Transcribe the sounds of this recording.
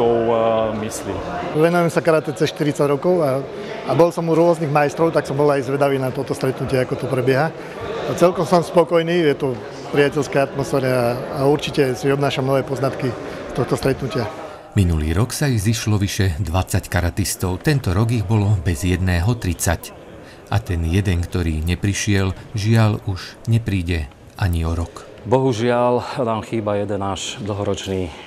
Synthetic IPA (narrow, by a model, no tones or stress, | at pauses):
ɔmisliːʋɛnujɛmsakaɾat̪ɛt͡sɛsʃt̪iɾit͡saɟɾɔkɔʊa | abɔlsɔmuɾʊɔzniːɣmajɛst̪ɾɔʊt̪aksɔmbɔlajzʋɛd̪aʋiːnat̪ɔt̪ɔst̪ɾɛt̪nucɪɛakɔt̪ɔpɾɛbjɛɦa | at͡sɛlkɔmsɔmspɔkɔjniːjɛt̪ɔ | pɾɪacɛlskɛjat̪mɔsfɛːɾɛaːuɾt͡ʃicɛsiɔbnaːʃamnɔʋɛːpɔznat̪ki | st̪ɔxt̪ɔst̪ɾɛt̪nucɪa | minuliːɾɔksaiɣziʃlɔʋiʃɛd̪ʋat͡sːackaɾat̪ist̪ɔʊt̪ɛnt̪ɔɾɔɡiɣbɔlɔbɛzjɛd̪nɛːɦɔt̪ɾit͡sac | ʔa̰t̪ɛnjɛd̪ɛŋkt̪ɔɾiːɲɛpɾiʃɪɛlʒɪaluʒɲɛpɾiːɟɛ | ʔaɲiɔɾɔk | bɔɦuʒɪalnaːmxiːbajɛd̪ɛnaːʃd̪l̩ɦɔɾɔt͡ʃniː